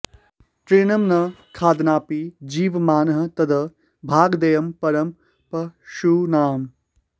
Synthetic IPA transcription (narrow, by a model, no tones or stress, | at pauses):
ʈ̪ɾeːnɐmnɐkʰaːd̪naːpid͡ʒiːʋmaːnɐɦɐ̆t̪ɐd̪ɐ | bʱaːɡd̪ɐjɐmpɐɾɐm | pɐʃunaːm